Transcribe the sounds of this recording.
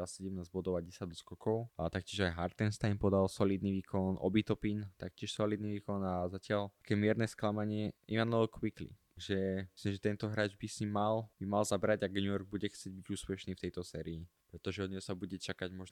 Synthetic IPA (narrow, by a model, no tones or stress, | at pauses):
asɛɟɛmnaːzbɔd̪ɔʋaɟ̚ɛsad̪ɔskɔkɔʊat̪ak̚cɪɛʒajɦaɾt̪ɛnst̪ajmpɔd̪alsɔliːd̪niʋiːkʰɔnʔɔ̰bit̪ɔpint̪akcɪɛʃsɔliːd̪̚niʋiːkɔnazacɪalḁkɛːmɪɛɾnɛsklamaɲɪɛʔimanɔɛlkwiklḭ | aɡʒɛi̥slimʒɛt̪ɛnt̪ɔɦɾaːd͡ʒbisɲimːalbimalzabɾaɟaɡɲujɔɾɡ̚buɟɛxtt͡sɪɛɟ̚biɟuːspɛʃniːft̪ɛjt̪ɔsɛːɾii | pɾɛt̪ɔʒɛɔd̪ɲɛsabuɟɛt͡ʃakaɟmɔʒ